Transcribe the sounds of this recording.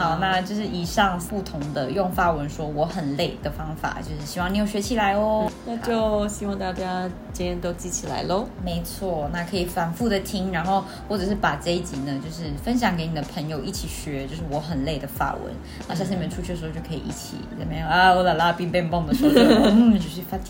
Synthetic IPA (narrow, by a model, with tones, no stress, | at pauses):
xɑ˨˩ʊna˥˧t͡ɕjo˥˧ʊʂ̬ɻ̩˥˩i˨˩ʂɑ˥˩ŋpu˥˩t̪ʰʊ˧˥ŋd̪ə˧jʊ˥˩ŋfa˥wə˧˦nʂwɔ˥wɔ˧˥xə˨˩nle˥˩ɪd̪ə˩fɑ˥ŋfa̰˨˩t͡ɕjo˥˧ʊʂɻ̩˥˩ɕi˧˥wɑ˥˩ni˧˥jo˨˩ɕɥɛ˧˥t͡ɕʰi˨˩la˧˥ɪɔ˧˦na˥˧t͡ɕjo˥˩ʊɕi˧˥wɑ˥˧ŋt̪a˥˧˩t͡ɕja˥ | t͡ɕi˥nɛ˧˥nt̪o˥ʊt͡ɕi˥˩t͡ɕʰi˨˩la̰˧˥ɪlə˥˧˩me˧˥ɪt͡sʰwɔ˥˩na˥˩kʰɤ˧˥i˨˩fa˨˩nfu˥˩d̪ə˩t̪ʰi˥ŋɻa˧˥nxo˥˧ʊ | xwɔ˥˩ʈ͡ʂɤ˨˩ʂ̬ɻ̩˥˩pa˨˩ʈ͡ʂə˥˧i˥t͡ɕi˨˩nə˦t͡ɕjo˥˧ʊʂɻ̩˥˩fə˦˥nɕ̬jɑ˨˩ŋke˧˥ɪni˨˩d̪ə˦pʰə˧˥ŋjo˧ʊʔi˥˩t͡ɕʰi˨˩ɕɥɛ˧˥t͡ɕjo˥˧ʊʂ̬ɻ̩˥˩wɔ˧˥˦xə˨˩nle˥˩d̪ə˩fa̰˥˩wə̰˧˦n | na˥˧ɕʂ̩̬˥˩i˨˧mɛ˥˩ʈ͡ʂʰu˥t͡ɕʰy˥˩ə˨˧˥t͡ɕo˥˩kʰːḭ˨ʔḭ˥˩t͡ɕʰḭ˨˩la˨˥˩me˧˥ja˥ɔ˧˥la˧˩la˧pi˥˧ŋpɛ˥˧npɑ˥˧˩ŋd̪ə˨˩ʂɔ˧˥n̩˥˩t͡ɕjo˥˧ʊɕy˥˩fa˥t̪ʰ